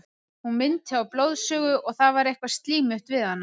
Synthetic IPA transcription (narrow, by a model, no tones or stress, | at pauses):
hunmɪnt̪aawploːwðsœːɣʏʔɔɣθaðvaɾejhkvast̪liːmʏht̪vɪðhanːa